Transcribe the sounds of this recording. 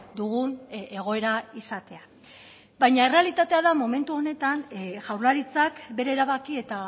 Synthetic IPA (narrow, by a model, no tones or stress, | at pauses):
d̪uɣuneɣ̞o̞e̞ɾaisat̪e̞a | bajɲae̞re̞alit̪at̪e̞aðamome̞nt̪uo̞ne̞t̪anʝawɾlaɾit͡sakbe̞ɾe̞ːɾaβakie̞t̪a